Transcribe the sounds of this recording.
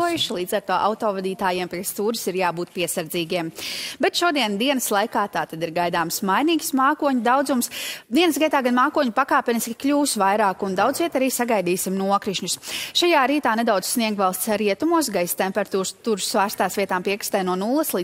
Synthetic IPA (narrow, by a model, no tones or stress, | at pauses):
ɔjuʃlˠiːd̪zaɾt̪uɔʔa̰wt̪ɔːvad̪iːt̪aːjɛmpɛst̪uːɾisiɾjaːbuːt̪̚piɛsaɾd̪ziːɡʲiɛmbɛt̪ʃuɔd̪iɛnd̪iɛnəslˠajkaːt̪aːt̪ad̪iɾɡajd̪aːmsmajniːksmaːkuɔɲud̪awd̪zumsd̪iɛnəsɡiɛt̪aːɡanmaːkuɔɲupakaːpɛniskʲi̥kʎʲuːsvajɾaːkund̪awd̪zʋiɛt̪aɾiːsaɡajd̪iːsimnuɔkɾiʃɲusʃajaːɾiːt̪aːned̪awd̪z̥sniɛɡvalˠst̪sɾiɛt̪umuɔs̬ɡajst̪empɛɾat̪uːt̪uːɾsːvaːɾst̪aːsvʲiɛt̪aːmpiɛkɾist̪ajnuɔnulˠːɐslˠi